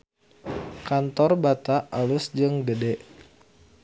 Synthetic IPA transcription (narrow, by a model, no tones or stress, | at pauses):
kant̪ɔrbat̪aːlʊsd͡ʒɨŋɡədɛʔ